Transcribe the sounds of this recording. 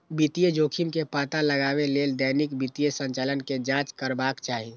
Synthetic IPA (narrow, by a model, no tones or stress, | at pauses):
bit̪ijed͡ʒoːkʰimkepaːt̪aləɡaːbeleld̪ɛnikbit̪ijesə̃nt͡ʃaːlənked͡ʒãːt͡ʃkəɾbaːkt͡ʃaːɦi